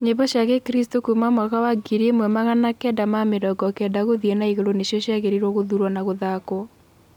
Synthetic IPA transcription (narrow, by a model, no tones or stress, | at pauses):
ɲeβɔʃjaɣɛkɾistokumamaɣawaɡiɾemwɛmaɣanakɛdamameɾɔɡɔkɛdaɣoðiɛnaiɣeɾoneʃjɔɕjaɣeɾiɾwɔɣoðuɾwanaɣoðakɔ